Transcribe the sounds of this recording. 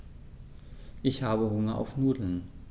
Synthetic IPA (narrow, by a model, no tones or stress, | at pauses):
ʔɪçhaːbəɦʊŋɐʔa̰ʊfnuːdl̩n